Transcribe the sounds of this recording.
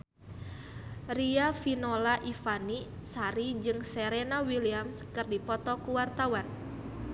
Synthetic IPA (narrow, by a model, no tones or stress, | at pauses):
riafinolaʔifanisaɾid͡ʒɨŋsɛɾenawiliamskɨrdipɔt̪ɔkuwart̪awan